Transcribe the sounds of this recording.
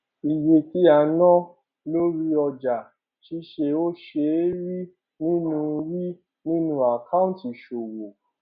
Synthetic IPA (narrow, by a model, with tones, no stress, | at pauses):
i˨je˨ti˨˦a˧nɔ̃˦ | lo˦ɾi˧˦ɔ˧d͡ʒa˨ | ʃi˨˦ʃe˧o˦ʃe˧˦ɾi˦ | nĩ˦nũ˧ɾi˦ | nĩ˦nũ˦a˨kã˦ũ˦˨ti˨ʃo˨wo˨